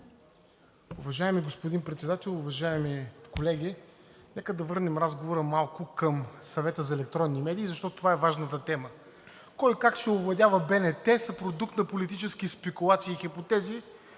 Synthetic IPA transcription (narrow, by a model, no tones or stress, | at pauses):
ʊvɐʒaɛmiɡospod̪inpɾɛt̪sɛd̪at̪ɛlˠʊvɐʒaɛmikolɛɡʲi | nɛkəd̪ɐvɤɾnɛmɾazɡovoɾəmalˠkʊkəmsɐvɛt̪əzɐɛlɛk̚t̪ɾɔnːimɛd̪iːzɐʃt̪ɔt̪ot̪ovaɛvaʒnət̪ət̪ɛmə | kɔjkakʃɛʊvlˠɐd̪ʲavəbɛnɛt̪ɛsɐpɾod̪uk̚t̪nɐpolit̪it͡ʃɛsk̟ispɛkulˠat̪siːxipot̪ɛzi